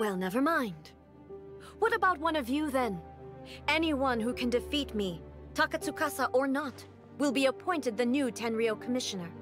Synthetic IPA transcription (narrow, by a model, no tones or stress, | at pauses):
wɛlˠnɛvə˞mãɪ̃nd̥ | wʌɾɨbaʊt̚wʌ̃nʌvjʉðɨ̃n | ɛniwʌ̃nɦukʰɨ̃ndɨfit̚mi | tʰɑkɨsukʰɑsəʔə˞nət̚ | wɪlˠbiəpʰɔ̃ɪ̃ntɨd̪̚ðɨnʉtʰɛ̃nɹioʊkʰəmɪʃɨnə˞